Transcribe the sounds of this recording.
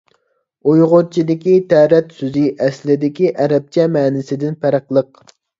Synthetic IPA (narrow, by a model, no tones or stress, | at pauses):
ujʁʊɾt͡ʃʰid̪ɪkʲit̪ʰæɾɛt̪syzɪʔɛslɪd̪ɪkʲiʔɛɾɛp̚t͡ʃʰɛmɛːnɪsɪd̪ɪnpʰæɾəqlˠəq̚